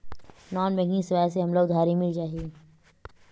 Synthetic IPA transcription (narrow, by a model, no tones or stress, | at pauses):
nɔːnbɛ̃ŋɡĩŋsɪʋaːjs̬eɦɐmlaʊd̪ʱaːɾimɪlt͡ʃaːɦieː